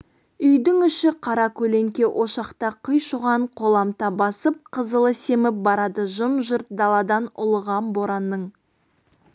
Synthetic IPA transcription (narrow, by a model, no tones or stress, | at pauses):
ʏjd̪ɪŋʏʃɪqʰɑɾɑkʲʰɵle̞ŋkʲe̞ʔo̞ʃɑqt̪ɑqʰəjʃuʁɑɴqʰo̞lˠɑmt̪ɑbɑsəp̚qʰəzəlˠəse̞mɪp̚bɑɾɑd̪əʒʊmʒʊɾt̪̚d̪ɑlˠɑd̪ɑnʊ̰lˠəʁɑnbo̞ɾɑnːəɴ